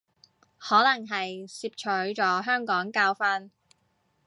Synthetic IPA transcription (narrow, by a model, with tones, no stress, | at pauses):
hɔː˨˥lɐ˨˩ŋɦɐ˨jsiː˧p̚t͡ʃʰɵ˨˥ɥt͡ʃɔː˨˥ɦœː˥ŋkɔː˨˥ŋkaː˧wfɐ˥n